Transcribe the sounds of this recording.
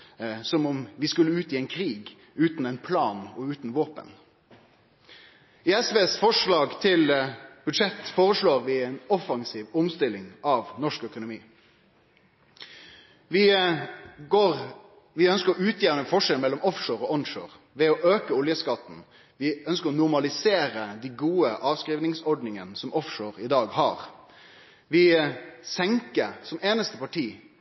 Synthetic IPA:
sɔmɔmʋɪskʉlːəʉːt̪iɛɪnkʰɾiːɡ | ʉːt̪nɛɪnpʰlɑːnɔʉːt̪n̩ʋoːpə̰n | ɪɛsʋeːsfɔʂɭɑːɡt̪ʰɪlb̥ʉd̪ʂɛt̪ːfoːʁəʂɭoːʁʋɪɛɪnɔfɑŋsiːʋɔmst̪ɪlɪŋɑʋnɔʂkœkʊnʊmḭː | ʋɪ | ɡoːʁ | ʋɪœnskəɾɔʉːt̪ʰjeɾənəfɔʂɛlmɛlːɔmɔfʂoːɾɔʔɔnʂo̰ːʁ | ʋɛɔʔøːkəɔljəskɑt̪n̩ | ʋɪœnskəɾɔnʊʁmɑlɪseːɾəd̪iɡuːəʔɑːʋskɾiːʋnɪŋsɔɖnɪŋənsɔmʔɔfʂoːɾɪd̪ɑːɡhɑ̰ːʁ | ʋɪsɛŋkəɾsɔmeːnəst̪əpɑʈʰiː

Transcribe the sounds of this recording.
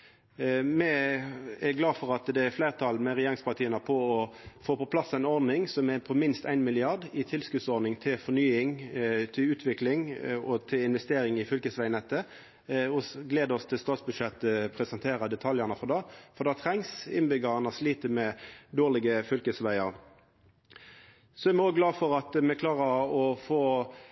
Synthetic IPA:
mɛ | ɛɡlɑːfɔɾɑt̪d̪ɛæflæɪʁt̪ʰɑlmɛʁɛjeːʁɪŋspɑʁt̪iːənəpʰɔːfoːpʰɔpʰlɑsæɪnɔɾnɪŋsɔmɛpʰɔmɪnst̪æ̰ɪnmɪlɪɑʁd̪ɪt̪ʰɪlskʉd̪sɔɾnɪŋt̪ʰɪlfɔʁnyːɪŋt̪ʰɪʉːt̪ʰʋɪklɪŋɔt̪ʰɪlɪnʋɛst̪eːɾɪŋɪfʏlkəsʋæɪnɛt̪ːə | ɔsɡleːd̪əɔst̪ʰɪlst̪ɑːt̪sbʉʃɛt̪ːəpʰʁɛsɛnt̪ʰeːʁɑd̪ɛt̪ʰɑljɑʁnɑfɔd̪ɑːfɔd̪ɑːt̪ʰʁɛŋsɪnbʏɡɑʁɑnɑsliːt̪əmɛd̪oːʁlɪɡəfʏlkəsʋæɪɑ̰ʁ | sɔɛʁmɛɔːɡɡlɑːfɔʁɑt̪mɛkʰlɑːʁəɾɔfoː

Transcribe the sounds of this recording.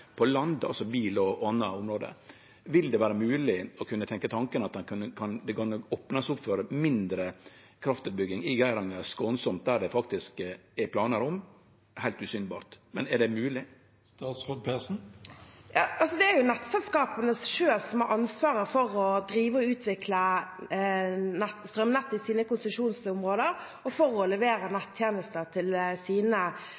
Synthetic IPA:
pʰɔlɑnd̪ɑlsɔbiːlɔɑnːɑʊmɾoːd̪ə̰ | ʋɪld̪ɛʋæːɾəmʉːlɪɔkʰʉnːət̪ʰɛŋkət̪ʰɑŋkənɑt̪ɑnkʰʉnːəkʰɑnd̪ɛɡonɔoːpnɑsʊpfɔɾmɪnd̪ɾə | kʰɾɑft̪ʉːt̪̚bʏɡːɪŋɪɡæɪɾɑŋəskɔnsɔmt̪̚d̪æɾɖɛfɑkt̪ɪskɛpʰlɑːnəɾɔm | hæɪlt̪ʉsyːnbɑ̰ːɾt̪mɛnɛɖɛmʉːlɪ | st̪ɑːt̪sɔd̪̚pʰesn̩jɑ̰ːɑlsɔd̪ɛæɾjʊnɛt̪ːsɛlskɑːpənəsʃøːlsɔmhɑɾʔɑnsʋɑːɾəfɔɾɔd̪ɾiːʋəɔʉːt̪ʰʋɪkʰlə | nɛt̪st̪ʁœmnɛt̪ːɪsiːnəkʊnsʉʂuːnsʊmʁoːd̪əɾ | ɔfɔɾɔlɛʋeːɾənɛt̪ʰːjeːnəst̪əʁt̪ʰɪlsiːnə

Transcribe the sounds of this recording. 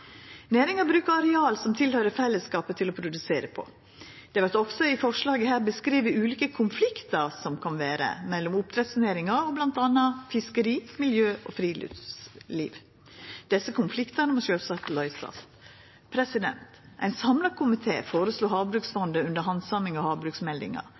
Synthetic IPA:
næːɾɪŋɑbɾʉːkəɑɾɛɑːlsɔmt̪ʰɪlhœʏɾəfɛlːəskɑːpət̪ʰɪlɔpʰɾʊd̪ʉseːɾəpʰɔ̰ | d̪̥ɛʋæʈ̪ɔksɔɪfɔʂɭɑːɡəhæːɾbəskɾiːʋɪʉːliːkəkʰʊnflɪkt̪ɑɾsɔmkʰɑnʋæːɾə̰mɛlːɔmʊpt̪ʰɾɛt̪sneːɾɪŋɑɾɔblɑnt̪ɑnːɑfɪskəɾiːmɪljøːʔɔ̰fɾiːly̰liːʋ | d̪̥ɛsːəkʊnflɪkt̪əɾnəmɑʂøːlsɑt̪lɑɪsɑ̰s | pʰɾɛsɪd̪ɛ̰nt̪ʔæɪnsɑmlɑkʰʊmɪt̪ʰḛːfoːɾəsluːɦɑːʋbɾʉksfɔnd̪əʉnd̪əɾɦɑnsɑmɪŋɑhɑːbɾʉːksmɛld̪ɪ̰ŋɑ̰

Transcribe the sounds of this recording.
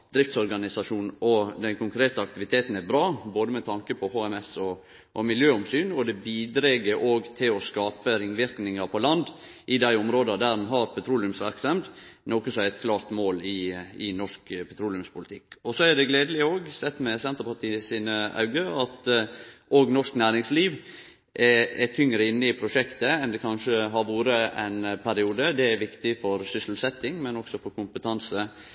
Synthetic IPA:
d̪ɾɪft̪sɔɾɡɑnɪsɑʂuːnɔd̪ɛnkʰʊŋkʰɾeːt̪əɑk̚t̪ɪʋɪt̪ʰeːt̪n̩æɾbɾɑːboːd̪əmɛt̪ʰɑŋkəpʰɔhoːɛmɛsɔ | ʔɔmɪljøːɔmsyːnɔd̪ɛbiːd̪ɾɛɡəɾʔoːɡt̪ʰɪlɔskɑːpəɾɪnʋɪɾknɪŋɑpʰɔlɑnd̪ | ʔɪd̪æɪɔmɾoːd̪ɑd̪æɾɑnɦɑɾpʰɛt̪ʰɾuːlɪʉmsʋæɾksɑmd̪ | noːkəsɔmæɾɛt̪kʰlɑːɾt̪moːlɪɪnɔʂkpʰɛt̪ʰɾuːlɪʉmspʊlɪt̪ʰɪkːɔsɔæd̪ɛɡleːd̪əlɪoːɡsɛt̪ːmɛsɛnt̪əɾpɑʈ̪ʰiːəsiːnəɑ̰ʉɡəɑt̪ | oːɡnɔʂknæːɾɪŋsliːʋ | ʔɛɛt̪ʰʏŋːɾəɪnːəɪpʰɾʊʂɛkt̪əɛnd̪ɛkʰɑnʂəɦɑɾʋuːɾəɛ̰ɪnpʰæɾɪuːd̪əd̪ɛæʋɪkt̪ɪfɔɾsʏsl̩sɛt̪ːɪŋmɛnɔksɔfɔɾkʰʊmpət̪ʰɑnsə

